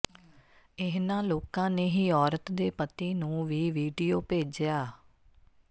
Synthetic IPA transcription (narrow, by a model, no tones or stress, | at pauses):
ɪɦnãːloːkãːneːɦiːɔːɾət̪d̪eːpət̪iːnũːʋiːʋiːɖijoːpeːd͡ʒjaː